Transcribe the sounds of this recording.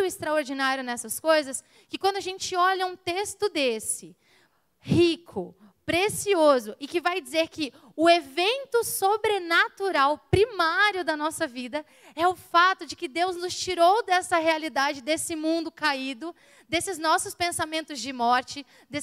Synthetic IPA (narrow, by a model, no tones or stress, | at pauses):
ʊɪst̪ɾaoɾd͡ʒinaɾjʊnɛsɐskojzɐs | kɪkwɐ̃nd̪ʊaʒẽnt͡ʃɪɔʎɐũt̪est̪ʊd̪esɪ | hikʰʊ | pɾesiozʊʔɪkɪvajd͡ʒizeɾkɪ | ʊevẽnt̪ʊsobɾenat̪uɾawpɾimaɾjʊd̪ɐnɔsɐvid̪ɐ | ɛʊfat̪ʊd͡ʒɪkɪd̪ewznʊst͡ʃiɾowd̪ɛsɐɦealid̪ad͡ʒɪd̪esɪmũnd̪ʊkaid̪ʊ | d̪esɪznɔsʊspẽsamẽnt̪ʊzd͡ʒɪmɔɾt͡ʃɪ | d̪e